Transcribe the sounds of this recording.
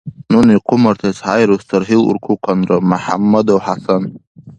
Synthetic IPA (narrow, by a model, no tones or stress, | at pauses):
nuniqʰʊmart̪ʰasħajɾustʰɨrħilṵrkʰʷuqʰanramuħa̰mːad̪awħasan